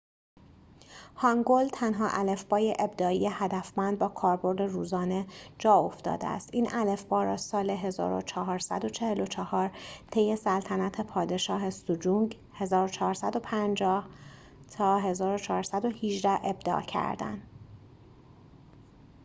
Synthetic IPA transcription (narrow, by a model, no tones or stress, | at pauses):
hɒŋɡolt̪ʰænɦɒːʔæle̞fbɒːjeʔeb̚d̪ɒːijehæd̪æfmænd̪̚bɒːkʰɒːɾbo̞ɾd̪e̞ruːzɒːne̞d͡ʒɒːo̞ft̪ɒ̰ːd̪eæ̰st̪iːnʔæle̞fb̥ɒːɾɒːsɒːle̞ɦe̞zɒ̰ːɾo̰t͡ʃʰɒɦɒːɾsæ̰d̪o̞t͡ʃʰe̞he̞lo̞t͡ʃʰɒhɒːɾt̪ʰejːe̞sælt̪ʰænæt̪ʰepʰɒːd̪e̞ʃɒːɦe̞sud͡ʒuŋɡ | he̞zɒːɾot͡ʃʰɒːɾsæd̪o̞pʰænd͡ʒɒːh | t̪ʰɒːɦe̞zɒːɾo̞t͡ʃʰɒːɾsæd̪o̞hiʒd̪æʔe̞bd̪ɒ̰ːcʰæ̰ɾd̪æ̰n